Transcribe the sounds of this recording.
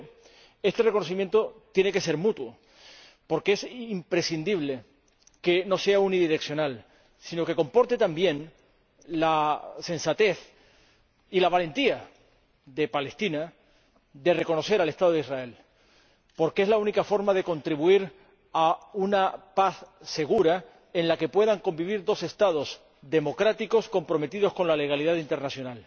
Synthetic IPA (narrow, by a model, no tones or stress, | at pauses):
e̞st̪e̞re̞kono̞s̬imje̞nt̪o̞t̪je̞ne̞ke̞se̞ɾmut̪wo | po̞ɾkeesimpɾe̞sind̪iβ̞le̞ | ke̞no̞se̞auniðiɾe̞ksjo̞nal | sino̞ke̞ko̞mpo̞ɾt̪et̪ambje̞n | lasẽ̞nsat̪e̞θ | ilaβ̞ale̞nt̪ia | ðe̞pale̞st̪ina | d̪e̞re̞ko̞no̞se̞ɾale̞st̪aðo̞ðisrae̞l | po̞ɾkee̞zlaunikafo̞ɾmaðe̞ko̞nt̪ɾiβuiɾ | aunapaθse̞ɣ̞uɾa | e̞nlake̞pwe̞ðaŋko̞mbiβ̞iɾd̪o̞se̞st̪að̞o̞z | ðe̞mo̞kɾat̪iko̞sko̞mpɾo̞me̞t̪iðo̞sko̞nlale̞ɣaliðaðint̪e̞ɾnasjonal